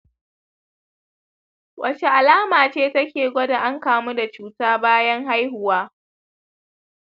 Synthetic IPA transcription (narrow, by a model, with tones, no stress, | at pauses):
wʔɐ˨t͡ʃe˨ʔa˨laː˦maː˨t͡ʃeː˦tɐ˦kʲeː˨ɡʷɔ˦da˨ʔa˦ŋkaː˦mu˦da˨t͡ʃuː˦taː˦baː˦jɐ˦ŋɦa˦jɦʊ˨waː˦